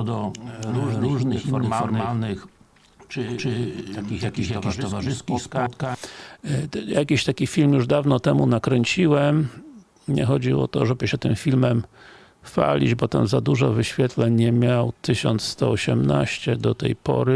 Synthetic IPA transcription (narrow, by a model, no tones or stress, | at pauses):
d̪ɔɾuɾuʐnxmaɔɾalnɪx | t̪akʲij̪akʲij̪kʲit̪ɔvaʐɪskukt̪ka | jakʲiɕt̪akʲifʲilmjuʐd̪avnɔt̪ɛmunakɾɛɲʲt͡ɕiwɛm | ɲɛ̰xɔd͡ʑiɔ̰t̪ɔʐɛbɘɕɛt̪ɘmfʲilmɛm | fa̰lʲḭd͡ʑbɔt̪a̰mzad̪uʐɔvɘɕfʲjɛt̪lɛɲɲɛmʲjawt̪ɘɕɔnt̪sst̪ɔɔɕɛmna̰ɕt͡ɕɛd̪ɔt̪ɛjpɔ̰ɾɘ